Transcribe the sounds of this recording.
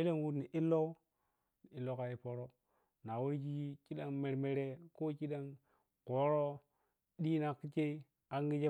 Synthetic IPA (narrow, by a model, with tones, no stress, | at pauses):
e˦le˦n˦wu˦˨ni˨ʔi˦lːo˦ | ni˨i˨lo˦ka˨ji˦po˨ɾo˦ | na˨wo˦ɾɡi˦ki˦ɗa˦ŋme˨ɾme˨ɾe˦ko˦ki˦ɗa˦ŋ | ko˨˦ɾo˦ | ɗi˦na˨kːi˦t͡ʃe˦i˦ | a˨ŋɡi˦d͡ʒe˦